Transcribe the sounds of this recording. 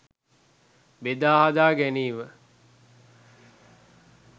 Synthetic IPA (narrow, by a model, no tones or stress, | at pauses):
bed̪aːɦad̪aːɡæniːʋə